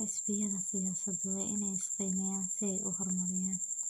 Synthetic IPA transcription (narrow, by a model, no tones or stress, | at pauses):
ʔɐskɪjɐðɐsɪjaːsɐd̪ʊwɑːʔɪnɛjɪst̪ʰɛjmɐjaːnsɪɛjʔʊ̰hɔrmɐɾɪjaːn